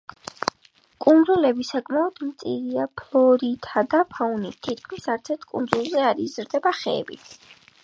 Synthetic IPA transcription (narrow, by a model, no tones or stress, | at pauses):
kʼunɾulɛbisakʼmaɔd̪̥mt̪sʼiɾiapʰlˠɔɾit̪ʰad̪apʰaunit̪ʰːit̪̚kʰmisaɾt̪sʰɛɾt̪̚ʰkʼṵnzulˠzɛaɾizɾd̪ɛbaχɛ̰ːbḭt̪ʰ